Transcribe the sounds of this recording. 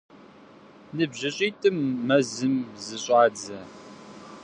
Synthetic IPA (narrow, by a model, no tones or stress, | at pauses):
nɨbʑɪɕʼiːtʼɨmːɐzɨmzɨɕʼɑːd͡zɐ